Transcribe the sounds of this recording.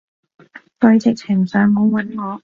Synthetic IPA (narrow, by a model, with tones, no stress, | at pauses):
tɐ˧ɥt͡sɪ˨k̚t͡sʰɪ˨˩ŋsœː˨˥ŋːɔ˨˧˥wɐ˨˥˦nŋɔː˨˧